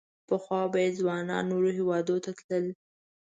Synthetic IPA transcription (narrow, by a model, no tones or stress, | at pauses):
pəxwɑbajed̪zwɑnɑ̰nːoɾoɦewɑd̪ot̪at̪ləl